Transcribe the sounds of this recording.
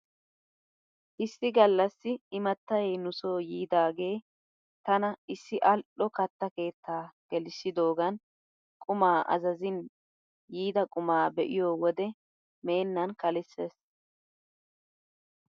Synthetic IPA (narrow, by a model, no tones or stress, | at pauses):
ʔɪsːɪɡɐlːɐsːɪːmɐt̪ːɐjɛnʊso̞ːjiːd̪aːɡe̞ː | t̪ɐnɐɪsːɪʔɐlɗɔkɐt̪ːɐke̞ːt̪ːaːɡ̥ɛlɪsːɪd̪o̞ːɡɐn | kʼʊmaːʔɐ̰zɐzɪn | jiːd̪ɐkʼʊmaːbɛʔɪjoːwɔd̪ɛ | me̞ːnːɐnkɐlɪsːes